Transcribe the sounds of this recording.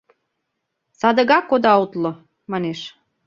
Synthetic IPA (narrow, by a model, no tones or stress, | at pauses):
sɑd̪ə̆ɣɑkːod̪ɑut̪lŏ | mɑneʃ